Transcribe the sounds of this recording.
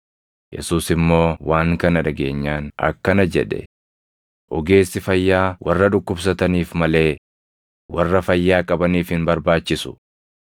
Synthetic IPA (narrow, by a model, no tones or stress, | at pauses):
jɛ̰suːsɪmːo̞ːwaːŋkɐnɐᶑɐɡe̞ːɲːaːnɐ̰kːɐnɐd͡ʒɛᶑɛ̰ | ʔɔɡe̞ːsːɪfɐjːaːwɐrːɐᶑʊkːʊbs̬ɐt̪ɐniːfmɐle̞ː | wɐrːɐfɐjːaːkʼɐbɐniːfhɪnbɐɾbaːt͡ʃːɪsʊ̥